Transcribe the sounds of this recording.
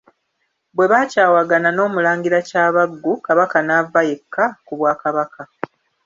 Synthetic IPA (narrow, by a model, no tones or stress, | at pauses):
bwe̞βaːcaːwaɡanano̞ːmulaːŋɡiɾacaːβaɡːukaβakanavːaje̞kʰːakuβwaːkaβakʰa